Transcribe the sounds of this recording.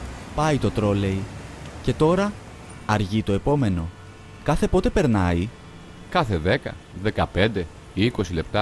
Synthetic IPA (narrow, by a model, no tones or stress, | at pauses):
pɐit̪o̞t̪ɾo̞le̞ice̞t̪o̞ɾɐː | ɾʝit̪o̞e̞po̞me̞no̞ | kɐθe̞po̞t̪e̞pe̞ɾnɐi | kɐθe̞ðe̞kɐ̰ðe̞kɐpe̞nd̪e̞ | iko̞sile̞pt̪ɐ